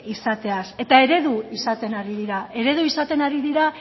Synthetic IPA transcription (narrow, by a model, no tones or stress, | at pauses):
isat̪e̞ase̞t̪ae̞ɾe̞ðuisat̪e̞naɾiðiɾae̞ɾe̞ðuisat̪e̞naɾiðiɾa